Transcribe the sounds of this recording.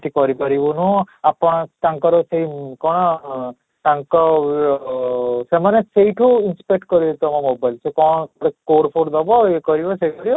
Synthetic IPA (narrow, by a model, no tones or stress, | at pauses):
t̪ikɔɾikɔɾibɔnu | apɔɽ̃ɔt̪ãŋkɔɾɔseikɔɽ̃ɔ | ʈ̪aŋkɔ | semanesejʈʰuinspek̚ʈkɔɾid̪et̪ɔmamobajlsekɔɽ̃pɽekoɾpʰoɾd̪ɔbɔekɔɾibɔsekɔɾibɔ